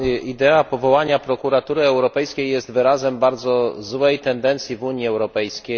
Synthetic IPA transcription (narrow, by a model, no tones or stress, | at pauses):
id̪ɛapɔvɔwaɲapɾɔkuɾat̪uɾɘɛwɾɔpɛjskʲejːɛst̪vɘɾazɛmbaɾd̪zɔzwɛjt̪ɛnd̪ɛnt̪sʲjivuɲiɛwɾɔpɛjskʲe